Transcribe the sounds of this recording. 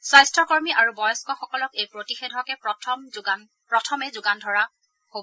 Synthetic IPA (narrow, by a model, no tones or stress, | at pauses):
sɹajstɹɔkɔɹmiʔaɹubɔjɔskɔxɔkɔlɔkejpɹotixedʱɔkɛɔmɡan | pɹɔtʰɔmɛzʊɡandʱɔɹa | hobɔ